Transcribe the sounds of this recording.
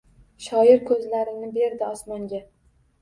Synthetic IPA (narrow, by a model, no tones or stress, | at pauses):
ʃɒɪɾkʰɵzlaɾɪnɪbe̞ɾd̪ɪɒsmɒŋɡʲa